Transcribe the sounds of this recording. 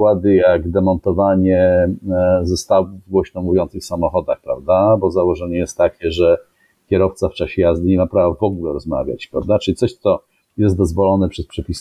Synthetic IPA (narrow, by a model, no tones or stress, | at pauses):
wad̪ɘjaɡd̪ɛmɔnt̪ɔvaɲɛ | zɔst̪awvɡwɔɕnɔmuvʲjɔntsɘxfsamɔxɔd̪axpɾa̰vd̪abɔzawɔʐɛɲɛjɛst̪ːakʲɛʐɛ | kʲɛɾɔft̪saft͡ʂaɕɛjazd̪ɘnɲɛmapɾavavɔɡulɛɾɔzma̰vʲja̰t͡ɕpɾavd̪at͡ʂɘlit̪sɔɕt̪sɔ | jɛst̪̚d̪ɔzvɔlɔnɛpʂɛspʂɛpʲis